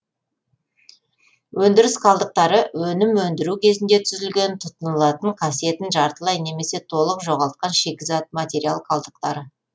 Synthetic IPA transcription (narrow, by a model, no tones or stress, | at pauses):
wʔɵnd̪ɪɾɪsqʰɑlˠd̪əq̚t̪ɑɾəwɵnɪmwɵnd̪ɪɾukʲʰe̞zɪnd̪e̞t̪ʰʏzɪlɡʲe̞nt̪ʰʊt̪ənəlˠɑt̪əɴqʰɑsije̞t̪ɪnʒɑɾt̪əlˠɑjne̞me̞se̞t̪ʰo̞lˠəqʒo̞ʁɑlˠt̪̚qɑnʃe̞kʲɪzɑt̪̚mat̪ʲe̞ɾialˠqʰɑlˠd̪əq̚t̪ɑɾə